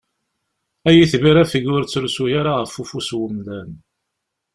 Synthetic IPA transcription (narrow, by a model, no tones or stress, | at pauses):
æjiθviɾæfəɡʊɾt͡sːɾsujaɾaʁəfufuswəmðæn